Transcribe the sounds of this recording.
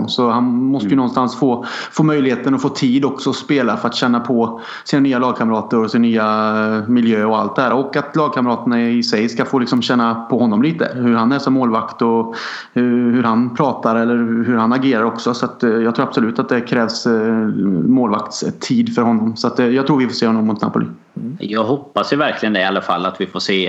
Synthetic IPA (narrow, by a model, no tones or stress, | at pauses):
sɔhanmɔst̪əjɵnɔnst̪ansfoːfoːmœjlɪheːt̪ənɔfoːt̪ʰiːd̪ɔksɔɔspeːlafœɾat̪ɕɛnːapʰɔ | siːnanyːalɑːɡ̚kʰaməɾɑːt̪əɾɔsɪnnyːamɪljøːɔa̰lt̪̚d̪ɛhæːɾɔkːat̪lɑːɡ̚kʰaməɾɑːt̪ənaɪsɛjskafoːlɪksɔmɕɛnːapʰɔɦɔnːɔmliːt̪ə̰hɵɾhanːɛːsɔmːoːlvakt̪ɔ | hɵɾhanpʰɾɑːt̪aɾɛlːəɾɦɵɾhanaɡeːɾaɾɔksɔsɔat̪jɑːɡt̪ʰɾuːɾabsʊlʉ̟ːt̪at̪̚d̪ɛkʰɾɛːvs | moːlvakt̪st̪ʰiːd̪fœɾhɔnːɔmsɔat̪jɑɡt̪ʰɾuːɾvɪfoːseːhɔnːɔmːʊt̪na̰pʊlḭː | jɑːɡɦɔpːasjɵvæɾkʰlɪɡənɛɪalːafa̰lːat̪vɪfoːseː